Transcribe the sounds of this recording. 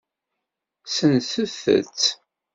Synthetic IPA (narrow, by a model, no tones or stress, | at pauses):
sənsuθə̰t͡s